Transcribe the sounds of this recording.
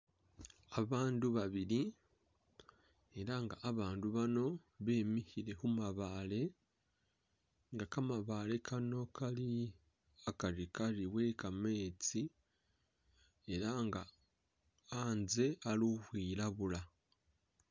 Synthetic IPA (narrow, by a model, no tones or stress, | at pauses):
aβaːnduβaβiɾi | eɾaŋɡaʔːβaːnduβano̞ | βe̞ːmihiɾe̞humaβale̞ | ŋɡakamaβale̞kʰano̞kʰali | akaɾikaɾiwe̞ːkame̞ːt͡si | e̞ɾaŋɡa | aːnze̞aɾuhwiːɾaβula